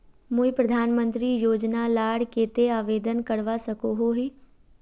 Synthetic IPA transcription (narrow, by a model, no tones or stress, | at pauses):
muipɾəd̪ʱaːnmə̃nt̪ɾiːjoːd͡ʒnalaːɽkeːt̪eaːʋeːd̪ənkəɽʋasəkoɦoɦiː